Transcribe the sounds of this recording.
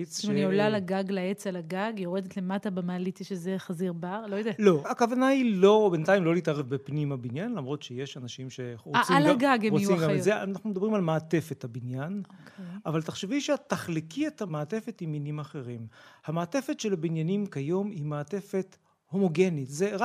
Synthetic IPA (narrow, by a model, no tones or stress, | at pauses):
it͡smaniolalaɡaɡlaet͡salaɡaɡjoʁed̪et̪lematabemaːlit͡sʃezeχaziʁbaʁlojod̪ealo̞akavanailo̞bent̪aimlo̞lit̪aʁevbepnimabinjanlamʁo̞tʃeje̞ʃanaʃimʃeʁot͡siamlaɡaɡemojt͡simɡammezea̰naχnumed̪abʁimalmaːt̪e̞fe̞thabinjaneʔavalt̪aχʃeviʃeataχlikʰiet̪hamaːte̞fetiminimaχe̞ʁimhamaːtefe̞tʃelabinjanimkajo̞mimaːte̞fet | ho̞mo̞ɡe̞nitzeʁa